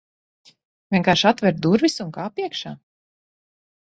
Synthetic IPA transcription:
vʲiɛŋkaːɾʃat̪vɛɾd̪uɾvisuŋkaːpiɛkʃaː

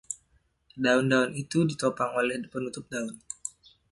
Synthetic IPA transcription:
daundaunit̪udit̪opaŋolɛhpənut̪ʊp̚daʊn

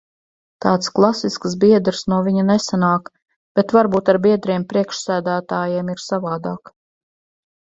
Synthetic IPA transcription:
t̪ɑːt̪sklˠasisksbiɛd̪ɾsnuɔvʲiɲanesanaːk | b̥et̪vaɾbuːt̪aɾbiɛd̪ɾiɛmpɾiɛkʃsæːd̪æːt̪aːjeɛmiɾsavaːd̪aːk

